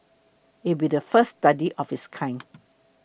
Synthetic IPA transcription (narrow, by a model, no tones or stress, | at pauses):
it̚bidəfəsːtadiʔɔfiskʰãɪ̃n